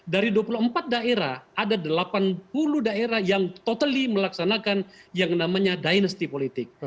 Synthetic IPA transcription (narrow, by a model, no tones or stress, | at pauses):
daɾiduapuluəmpat̪̚daeɾahʔadadəlapanpuludaeɾahjaŋt̪ot̪aliməlaksanakanjaŋnamaɲadajnəst̪ipolit̪ɪk̚